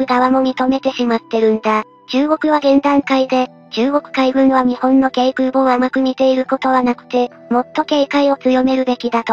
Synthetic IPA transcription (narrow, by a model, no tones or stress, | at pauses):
ɯ̟ɡaβamo̞m̟ʲit̪o̞me̞t̪e̞ɕimat̪ːe̞ɾɯ̟̃nd̪a | t͡ɕɨːɡo̞kɯ̟βaɡẽ̞nd̪ãŋkaid̪e̞ | t͡ɕɨːɡo̞kɯ̟̥kaibɯ̟̃ɰ̃βaɲ̟ihõ̞nːo̞ke̞ːkɯ̟boamakɯ̟ɲ̟it̪e̞iɾɯ̟ko̞t̪o̞βanakɯ̟̥t̪e̞ | mo̞t̪ːo̞ke̞ːkaio̞t͡sɨjo̞me̞ɾɯ̟be̞kʲid̪at̪o̞